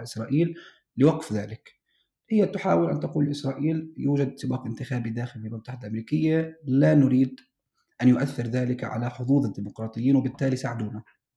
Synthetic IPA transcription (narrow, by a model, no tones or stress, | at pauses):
ʔɪsɾˤɑːʔiːl | lɪwɑqfðaːlɪk | hɪjːat̪ʊħa̰ːwɪlʔa̰nt̪aquːllʔɪsɾˤɑːʔiːljuːd͡ʒad̪sɪbɑːqʔɪnt̪ɪxaːbid̪aːxɪlfɪlmʊmt̪ːˤaħɪd̪alʔamɾiːkɪjːalanʊɾiːd̪ | ʔanjʊʔaθːɪɾðaːlɪkʕa̰laħʊðˤuːðˤɪd̪ːiːmʊqɾˤɑːt̪ˤɨjːiːnwɪbɪt̪ːaːlisaʕɪd̪uːna